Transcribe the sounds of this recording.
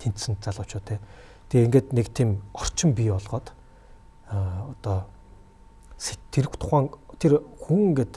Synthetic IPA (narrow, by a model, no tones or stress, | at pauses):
t̪ʰen̥t̪sɘ̆nt̪̚t͡saɮʁʊːt͡ɕʊːt̪ʰeː | t̪ʰeeŋɡeːt̪nekt̪ʰimɔr̥t͡ɕɪ̆mpiɔɮʁ̥ɔːt̪ | t̪ɔː | se̥t̪ʰːeɾɘ̆kt̪ʰʊ̥χæːŋt̪ʰerxuŋɡeːt̪